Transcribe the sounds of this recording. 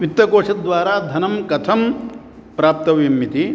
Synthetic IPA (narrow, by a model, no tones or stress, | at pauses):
ʋit̪ːɐkoːʂɐd̪ʋaːɾaːd̪ʱɐnɐmkɐt̪ʰɐm | pɾaːp̚t̪ɐʋjɐmːjit̪i